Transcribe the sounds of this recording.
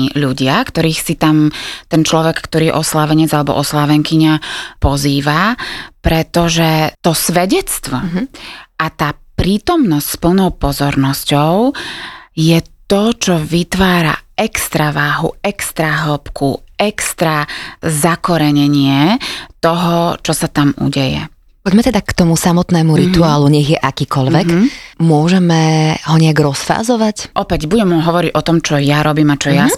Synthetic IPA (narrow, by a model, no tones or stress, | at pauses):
ʎuɟɪakt̪ɔɾiːxsit̪amt̪ɛnt͡ʃlɔʋɛkkt̪ɔɾiːɛʔɔslaʋɛɲɛd͡zalɛbɔ̰ʔɔslaʋɛŋkiɲapɔziːʋapɾɛt̪ɔʒɛt̪ɔsʋɛɟɛt͡st̪ʋɔ | ʔat̪aːpɾiːt̪ɔmnɔscʲspl̩nɔʊpɔzɔɾnɔscɔʊ | jɛt̪ɔt͡ʃɔʋit̪ʋaːɾa̰ɛkst̪ɾaʋaːɦṵɛkst̪ɾaɦɔpkuɛkst̪ɾazakɔɾɛɲɛɲɪɛt̪ɔɦɔt͡ʃɔsat̪amṵɟɛjɛ̰ | pɔɟmɛt̪ɛd̪akt̪ɔmusamɔt̪nɛːmuɾit̪uaːluɲɛɣjɛʔakiːkɔʎʋɛkmʊɔʒɛmɛɦɔɲɛaɡɾɔsfa̰ːzɔʋacʔɔpɛɟbuɟɛmɦɔʋɔɾiɟɔt̪ɔmt͡ʃɔjaɾʔɔbiːmat͡ʃɔja